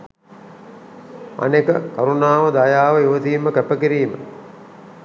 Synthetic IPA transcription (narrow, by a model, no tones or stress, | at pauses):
a̰nekəkaɾunaːʋəd̪ajaːʋəjuʋət̪iːməkæpəkiɾiːmə̰